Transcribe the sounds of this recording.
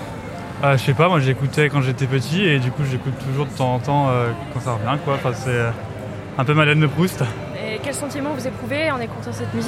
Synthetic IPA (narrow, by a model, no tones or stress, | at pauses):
aʃɛpamwaʒekut̪ɛkɑ̃ʒet̪ɛpət̪ied̪ykuʒekut̪ʰːuʒuʁd̪ət̪ɑ̃zɑ̃t̪ɑ̃økɑ̃saʁəvjɛ̃kwãfɛ̃sɛø | ɛ̃pømad̪and̪əpχust̪ | ekʲɛlsɑ̃t̪imɑ̃vuzepχuveɔ̃nekut̪ɛ̃sɛt̪myzi